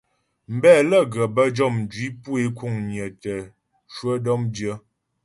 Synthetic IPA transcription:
m̩˨bɛː˦˨lə˦˨ɡə˨bə˦d͡ʒɔ˦˨mn˨d͡ʒwi˨˦pu˦e˦ku˦˨ŋɲ˨ə˨tə˨ | ʃwə˦dɔ˦mdjə˦

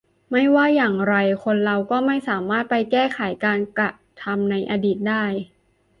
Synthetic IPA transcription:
ma˥˩jwaː˥˩jaː˨˩ŋɾa˧jkʰo˧nɾa˧wkɔː˥˩ma˥˩jsaː˩˦maː˥˩t̪̚pa˧jkɛː˥˩kʰa˩˦jkaː˧nka˨˩ | t̪ʰa˧mna˧jʔa˧diː˨˩t̪̚daː˥˩j

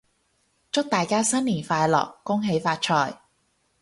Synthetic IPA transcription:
t͡sʊ˥k̚t̪aː˨˩jkaː˥sɐ˥nliː˨˩nfaː˧jlɔ̰ː˨kːʊ˥ŋɦe˨˥jfaː˧t̚t͡ʃʰɔː˧˩j

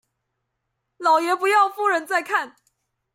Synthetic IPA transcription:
lɑ˨˩ʊjɛ˨˥pu˧˥jɑ˥˧ʊfu˥ɻə˧˥nt͡sa˥˧ɪkʰa˥˩n

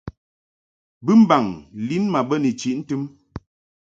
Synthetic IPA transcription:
bɨ˦m̩˦ba˨ŋli˦nma˨bə˦ni˨t͡ʃi˨ʔn̩˦tɨ˦m

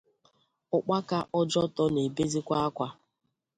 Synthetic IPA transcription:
ʊ˦k͡pa˦ka˦ʔɔ˦d͡ʒɔ˦tɔ˦ne˨be˦zi˦kʷa˦a˦kʷa˦

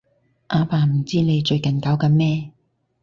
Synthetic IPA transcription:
ʔaː˨˧paː˨˧m̩˨˩t͡siː˥ne˨˧jt͡ʃɵ˧ɥkɐ˨˩nkaː˨˥wkɐː˧mɛː˥

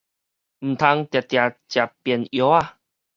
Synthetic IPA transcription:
m̩˨˩t̪ʰa˧ŋt̪ja˨t̪ja˨˩t͡ɕja˨˩pjɛ˨˩njo˨˦a˧

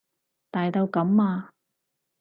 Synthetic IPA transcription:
t̪aː˨jt̪ɐ˧wkɐ˨˥maː˧

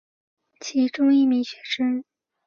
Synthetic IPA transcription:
t͡ɕʰi˧˥ʈ͡ʂʊ˥ŋi˥˩mi˧˥ŋɕɥɛ˧˥ʂə˥ŋ

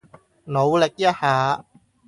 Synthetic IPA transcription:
no˨˧wlɪ˨k̚jɐ˥t̚haː˨˧

